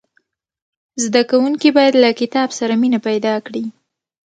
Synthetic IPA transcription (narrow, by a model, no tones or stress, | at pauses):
zd̪akawuŋkibɑjad̪lakɪt̪ɑbsaɾaminapajd̪ɑkɽi